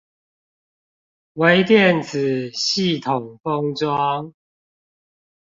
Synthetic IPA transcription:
we˧˦ɪt̪jɛ˥˨nt͡s̩ʰ˨˩ɕi˥˨t̪ʰo˨˩ŋfə˦ŋʈ͡ʂwɑ˦ŋ

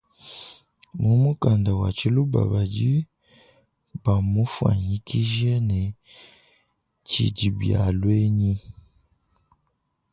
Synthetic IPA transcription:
mu˨mu˦ka˨nda˨wa̰˨t͡ʃi˦lu˦ba̰˨βa˨ɟi˦ | ba˨mu˦fwa̰˨ɲi˦ki˦ʒɛ˦nɛ˨ | t͡ʃḭ˨ɟi˨bja̰˨lwe˦ɲi˦

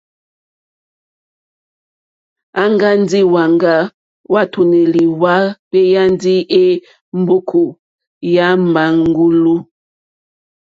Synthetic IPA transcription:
a˦ŋɡa˦n˦di˦wa˨ŋɡa˦ | wa˦˨tʰu˨ne˨li˨wa˦be˦ja˦ndi˦e˦ | m˦bo˦kʰo˨ | ja˦mba˨˦ŋ˦ɡu˦lu˦

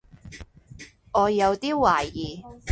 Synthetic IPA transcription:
ŋɔː˨˧jɐ˨˧wt̪iː˥waː˨˩jjiː˨˩

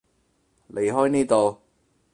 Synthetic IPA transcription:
lʔe˨˧jɦɔː˥jniː˥t̪o˨w

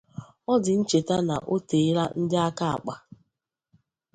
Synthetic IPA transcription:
ɔ˦dɪ˨n̩˦t͡ʃe˨ta˦na̰˨ʔo˦te˨˦ɾa˦n̩˦dɪ˦a˦ka˦a̰˨k͡pa˨

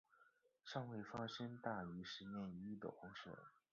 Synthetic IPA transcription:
ʂɑ˥˧ŋwe˥˩ɪfa˥ʂə˥nt̪a˥˩y˧˥ʂɻ̩˧˥njɛ˥˩ni˥d̪ə̰˨˩xʊ˧˥ŋʂə̰˨˩˦

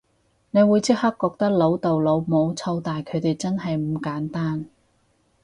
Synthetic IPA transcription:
ne˨˧jwuː˨˧jt͡sɪ˥k̚hɐ˥k̚kːɔː˧k̚t̪ɐ˥k̚lo˨˥wt̪o˨wlo˨˧wmo˨˧wt͡sʰɐ˧wt̪aː˨jkʰɵ˨˧ɥt̪e˨jt͡sɐ˥nɦɐ˨jm̩˨˧˥kaː˨˥nt̪aː˥n

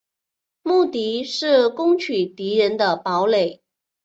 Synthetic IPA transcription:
mu˥˩t̪i˧˥ʂɻ̩˥˩kʊ˥ŋt͡ɕʰy˨˩t̪i˧˥ɻə˧˥nd̪ə˨pɑ˧˥ʊle˨˩˦ɪ

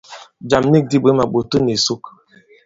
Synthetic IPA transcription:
d͡ʒa˨m˦ni˦k̚di˦be˨˦ma˨ɓo˨to˦ne˨su˦k

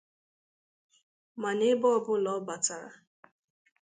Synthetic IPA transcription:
ma˨ne˦bɔ˦ɔ˦ɡʊ˦lɔ˨˦ba˨ta˨ɾa̰˨

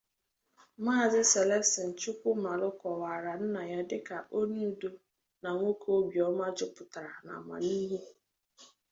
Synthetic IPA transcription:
maː˦˨zɪ˦se˨le˦sɪ˨n̩˨t͡ʃʊ˦kʷʊ˦ma˨lʊ˦kɔ˨wa˨ɾa˨n̩˦na˨ɲa˨dɪ˦ka˨ʔo˦nu˦do˦ | na˨ŋʷo˦ko˦bjɔ˦ma˦d͡ʒʊ˦pʊ˨ta˨ɾa˨na̰˨ma̰˨ni˦ɦe˦

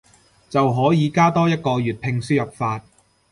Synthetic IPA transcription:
t͡sɐ˨wɦɔː˨˥jiː˨˧kaː˥t̪ɔː˥jɐ˥t̚kɔː˧jyː˨t̚pʰɪ˧ŋsyː˥jɐ˨p̚faː˧t̚

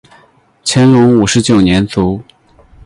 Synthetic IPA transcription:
t͡ɕʰjɛ˧˥nlʊ˧˥ŋu˨˩ʂɻ̩˧˥t͡ɕjo˨˩ʊnjɛ˧˥nt͡su˧˥

